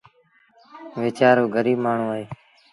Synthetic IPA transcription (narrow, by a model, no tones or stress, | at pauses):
ʋeːt͡ʃaːɾoːɡʱəɾiːbmaːɳ̤ũːaːɦeː